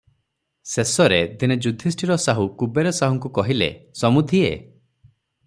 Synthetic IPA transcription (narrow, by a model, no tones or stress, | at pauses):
sesɔɾed̪ined͡ʒud̪ʱisʈiɾɔsaɦukubeɾɔsaɦuŋkukɔɦilḛsɔmud̪ʱiḛ